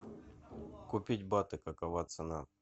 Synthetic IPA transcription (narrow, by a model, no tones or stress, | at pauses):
kʊpʲitʲbat̪ɨkɐkɐvat̪sɨna